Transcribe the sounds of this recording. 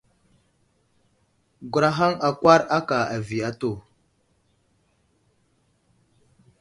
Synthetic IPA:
ɡʷu˨ɾa˦ɦa˦ŋa˨kʷa˦ɾa˦ka˨a˨vi˨a˦to˦˨

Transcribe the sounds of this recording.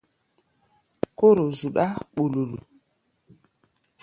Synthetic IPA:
ko˦ɾo˨zu˨ɗa˦ɓo˨lo˨lo˨

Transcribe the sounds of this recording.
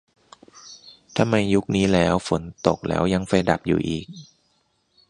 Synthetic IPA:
t̪ʰa˧mːa˧jːu˦˥k̚niː˦˥lɛː˦˥wfo˩˦nt̪o̰˨˩k̚lɛ̰ː˦˥wja˧ŋfa˧jda˨˩p̚jṵː˨˩ʔiː˨˩k̚

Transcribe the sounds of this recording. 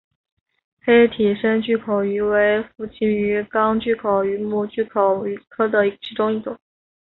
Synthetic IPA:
xe˥ɪt̪ʰi˨˩ʂə˥nt͡ɕy˥˩kʰo˨˩ʊy˧˥we˧˥ɪfu˥˩t͡ɕʰi˥ny˧˥kɑ˥ŋt͡ɕy˥˩kʰo˨˩ʊy˧˥mu˥˧t͡ɕy˥˩kʰo˨˩ʊy˧˥kʰɤ˥d̪ə˨i˧˥ʈ͡ʂʰi˧˥ʈ͡ʂʊ˥ŋi˥˩t͡s̪ʊ˨˩˦ŋ

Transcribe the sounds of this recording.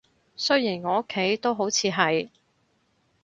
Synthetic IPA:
sɵ˥ɥjiː˨˩nŋɔː˨˧o˥kʰːe˨˥jt̪o˥wɦo˨˥wt͡sʰiː˨˧ɦɐ˨j

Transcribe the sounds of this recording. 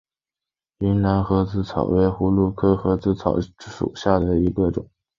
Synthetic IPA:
y˧˥nna˧˥nxɤ˧˥t͡sɹ̩˥˩t͡sʰɑ̰˨˩ʊwe˧˥ɪxu˧˥lu˥˧kʰɤ˥xɤ˧˥t͡sɹ̩˥˩t͡sʰɑ˨˩˦ʊʂṵ˨˩ɕja˥˩d̪ə˩i˧˥ɡə˧ʈ͡ʂʊ̰˨˩˦ŋ

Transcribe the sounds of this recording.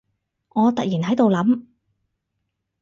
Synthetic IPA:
ŋɔː˨˧t̪ɐ˨k̚jiː˨˩nɦɐ˨˥jt̪o˨wlɐ˨˥m

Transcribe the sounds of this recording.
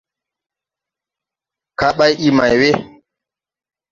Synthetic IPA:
ka˦ɓa˦jʔi˦ma˨jwe˦

